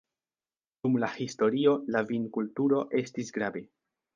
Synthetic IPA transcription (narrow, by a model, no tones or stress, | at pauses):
d̥umlahisto̞ɾio̞lavinkultuɾo̞ʔe̞stisɡɾave̞